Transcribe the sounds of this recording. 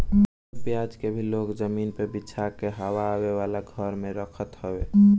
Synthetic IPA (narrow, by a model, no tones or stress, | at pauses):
pjad͡ʒkebʱiloːkd͡ʒəminpebitːt͡ʃʰakeɦəwaːweʋalaɡʱəɾmẽɾəkʰət̪ɦəwe